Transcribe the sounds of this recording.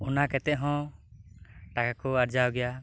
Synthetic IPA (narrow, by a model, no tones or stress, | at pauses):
ɔnakɛt̪ɛʔɦɔ̃ | ʈakakɔaɾd͡ʒawɡɛja